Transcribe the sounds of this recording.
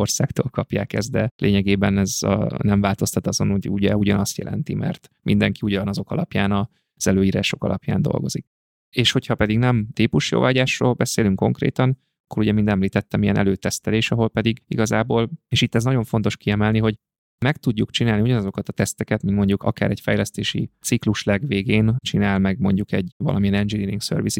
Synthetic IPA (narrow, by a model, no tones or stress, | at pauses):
orsa̰ːkt̪o̰ːlkɒpja̰ːkɛzd̪ɛlʔeːɲɛɡeːbɛnɛzɒ̰nɛɱvaːlt̪o̞st̪ɒt̪ɒzo̞noɟuɟɛuɟɒnɒst̪jɛ̰lʔɛ̰nt̪imʔɛ̰rt̪mʔind̪ɛŋkiuɟɒnɒzo̞kɒ̰lɒpjaːnɒ | z̥ɛløːjiːɾaːʃo̞kɒ̰lʔɒpja̰ːnd̪o̞̰lɡozik | eːʃho̞chɒpɛd̪iɡnɛmt̪iːpuʃjo̰ːvaːɟaːʃro̰ːlbɛseːlyŋkːo̞ŋkrḛːt̪ɒn | ɒkːo̞ɾuɟɛmind̪ɛmliːt̪ɛt̪ːɛmijɛ̰nʔɛ̰løːt̪ɛst̪ɛleːʃɒɦo̞lpɛd̪iɡḭɡɒzaːboːleːʃit̪ːɛznɒɟo̞ɱfo̞n̪t̪o̞ʃkiɛmɛlniɦo̞ɟ | mɛkt̪uɟːukt͡ʃinaːliuɟɒnɒzo̞kɒt̪ɒt̪ɛst̪ɛkɛt̪mino̞ɲɟukɒ̰ka̰ːɾɛcfɛjlɛst̪eːʃḭt̪sikluʃlɛɡʋeːɡeːnt͡ʃinaːlmɛɡmo̞ɲɟukɛɟvɒ̰lʔɒmijɛnɛnd͡ʒiliniŋksø̰rvisi